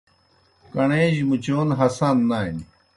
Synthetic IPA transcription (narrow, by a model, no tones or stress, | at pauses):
kɐɳeːʑmut͡ɕoːnɦɐsanːaːin